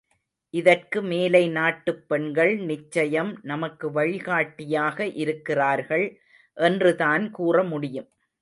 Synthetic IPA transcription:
ʔɪðɐrkɯmeːlɐɪnaːʈːɯpːɛɳɡɐɭnɪt͡ʃːɐjɐmnɐmɐkːɯʋɐɻɪɣaːʈːɪjaːɣɐʔɪɾɯkːɪraːɾɣɐɭ | ʔɛndrɯðaːnkuːrɐmʊɽɪjɯm

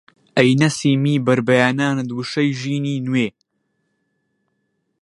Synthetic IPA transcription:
ʔɐjnɐsiːmiːbɐɾbɐjaːnaːnɨd̪wɨʃɐjʒiːniːnweː

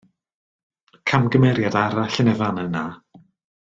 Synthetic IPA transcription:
kʰamɡəmɛɾjadaɾaɬənɛvanənːa

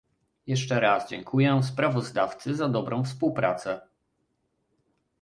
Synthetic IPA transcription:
jɛʂt͡ʂɛɾasd͡ʑɛŋkʰujɛspɾavɔzd̪aft̪sɘzad̪ɔbɾɔ̃w̃fspuwpɾa̰t̪sɛ

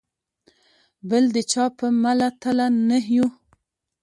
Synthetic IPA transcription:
bəld̪ət͡ʃɑpəmalat̪alanəɦju

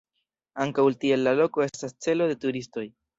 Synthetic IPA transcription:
aŋkawltie̞lːalo̞ko̞e̞stast͡se̞lo̞d̪e̞tuɾisto̞j

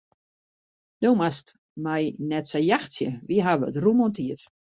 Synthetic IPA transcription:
d̥owmast | mɛjnɛtsɛjjaxsjəʋiɦaʋəətrumɔntʰiət

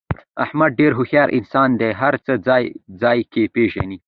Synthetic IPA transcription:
ahmad̪̚ɖeɾɦʊxjɑɾʔɪ̰nsɑnd̪eɦaɾt͡səd͡zɑjd͡zɑjkepeʒa̰ni

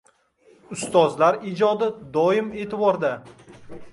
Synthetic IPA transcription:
ʊst̪ɒzlaɾid͡ʒɒd̪ɪd̪ɒɪme̞ːt̪ʰɪbɒɾd̪a

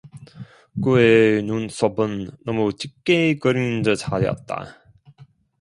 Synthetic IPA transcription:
kuenuns͈obɯnːʌmut͡ɕik͈ːekɯɾinndɯt͡ɕaɾjʌ̰t̚t͈a̰

